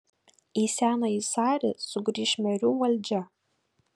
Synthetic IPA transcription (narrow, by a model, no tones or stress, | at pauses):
isʲæːnɐisɑːɾʲɪ̰sʊɡɾʲiːʃʲmʲɛɾʲuːʋɐlʲd͡ʒʲɛ